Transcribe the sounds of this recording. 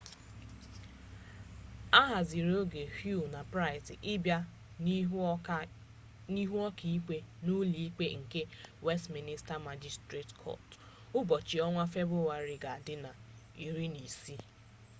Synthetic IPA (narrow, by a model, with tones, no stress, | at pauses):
a˦ɦa˨zi˨ɾo˦ɡe˨hju˦˨na˨pɾa˦ɪ˨ti˨ʔɪ˦bja˦ | ni˦ɦu˦ɔ˦kʰi˦ke˦nu˦li˨i˦k͡pe˦ŋ̩˨ke˦we˦stmi˦nɪ˦sta˦ma˦d͡ʒi˦stɾe˦˨tkʰɔ̰˦˨t | ʊ˦bɔ˨t͡ʃi˨ɔ˦ŋʷa˦fe˦bɾu˦wa˨ɾi˨ɡa˨dɪ˦na˨ | i˨ɾi˦ni˨si˦